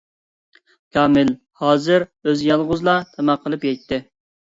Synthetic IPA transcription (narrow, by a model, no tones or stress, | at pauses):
kʲʰɑːmɪl | hɑːzɨɾøzjɑlˠʁʊzlˠɑt̪ʰɛmæqʰːəlˠɨpjɛt̪ʰːɪ